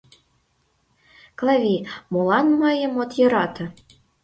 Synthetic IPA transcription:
klɑvʲimolɑnmɤjɤ̆mot̪jɤ̆ɾɑt̪ɤ̆

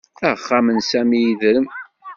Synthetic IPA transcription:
æəχːamənsæmijiðɾəm

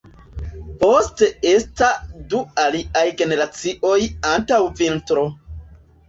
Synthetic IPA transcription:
po̞ste̞estadualiʔajɡe̞ne̞ɾat͡siʔo̞jantawvintɾo̞

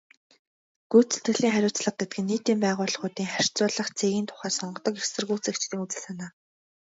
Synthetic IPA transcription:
ɡ̥uːt͡sɵ̥t̪ɡɘ̆ɮiːŋχæɾʲʊːt͡sɮə̆q̚ɡet̪̚ɡɘ̆nːiːt̪iːmpæːʁʊːɮ̆χʊːt̪iːŋχar̥ʲt͡sʊːɮə̆χt͡sʰeɣiːnt̪ʰʊ̥χæːsɔɴɢɞ̆t̪ɞ̆kexsɘ̆rɣuːt͡sekt͡ɕt̪iːŋut͡sɘ̆ɮsanaː

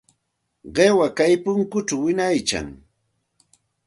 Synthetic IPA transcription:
ɢewakajpʊŋkʊt͡ʃawɪnajt͡ʃa̰ŋ

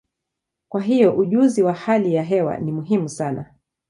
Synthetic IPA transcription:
kwaɦijɔʔuʄuziwahalijaɦɛwa̰nimuɦimusana̰

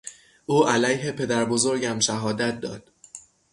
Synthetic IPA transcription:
ʔuːʔælæjɦe̞pʰe̞d̪æɾbo̞zo̞ɾɟæmʃæɦɒːd̪æt̪̚d̪ɒ̰ːd̪̥

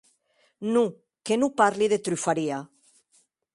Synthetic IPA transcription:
nu | kenupaɾliðet̪ɾyfaɾia

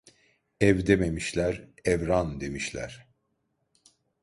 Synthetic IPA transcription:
ɛvd̪ememiʃlʲæɾɛvɾand̪e̞miʃlʲæ̰ɾ̥

